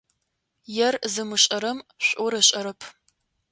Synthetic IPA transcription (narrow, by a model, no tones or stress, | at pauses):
jɛrzɨmɨɕʼɐɾɐmɕʷʼʊɾɐɕʼɐɾɐpʰ